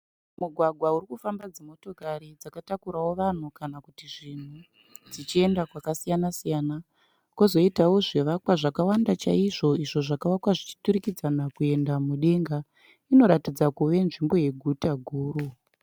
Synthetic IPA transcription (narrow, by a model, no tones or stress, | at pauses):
muɡʱwaɡʱwauɾikufambad͡zimo̞to̞kaɾid͡zakatakuɾawo̞ʋan̤ukanakutiʐin̤u | d͡zit͡ʃie̞ndakwakasijanasijaːna | kozo̞itawo̞ʐeʋakwaʐakawandat͡ʃaiʐo̞iʐo̞ʐakawakwaʐit͡ʃi̥tuɾikid͡zanakue̞ndamuɗe̞ŋɡa | ino̞ɾatid͡zakuʋe̞nʐimbo̞je̞ɡʱutaɡʱuːɾu